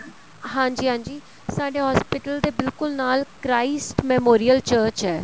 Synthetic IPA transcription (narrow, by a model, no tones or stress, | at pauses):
ɦãːɲd͡ʒiːɦãːɲd͡ʒiː | saːɖeːɦɔːspɪʈəld̪eːbɪlkʊlnaːlkɾaːɪsʈmɛːmoːɾiːəlt͡ʃəːɾt͡ʃɦɛː